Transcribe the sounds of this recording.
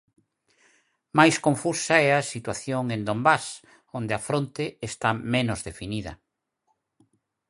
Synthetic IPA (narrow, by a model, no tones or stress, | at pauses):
majskõɱfusaɛɐsit̪waθjoŋẽnd̪ombas | ond̪eafɾont̪eːst̪amenozðefiniðɐ̰